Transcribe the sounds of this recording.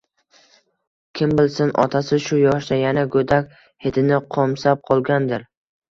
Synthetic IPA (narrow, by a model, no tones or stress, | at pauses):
kʲʰɪmbɪlˠsɪnʔɒ̰t̪ʰasɪʃʊjɒʃd̪ajanaɡɵd̪akʲ | het̪ʰɪnɪqʰɒmsap̚qʰɒlˠɡʲand̪ɪɾ